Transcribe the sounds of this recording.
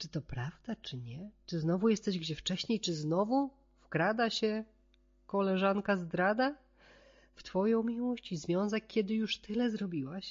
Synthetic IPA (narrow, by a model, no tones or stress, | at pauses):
t͡ʂɘt̪ɔpɾavd̪at͡ʂɘɲɛt͡ʂɘznɔvujɛst̪ɛʑɡd͡ʑɛft͡ʂɛɕɲejt͡ʂɘznɔvu | fkɾad̪aɕɛ | kɔlɛʐankazd̪ɾad̪a | ft̪fɔjɔ̃w̃mʲiwɔɕt͡ɕizvʲjɔ̃ñzɛkʲːɛd̪ɘjuʂt̪ɘlɛzɾɔbʲiwaɕ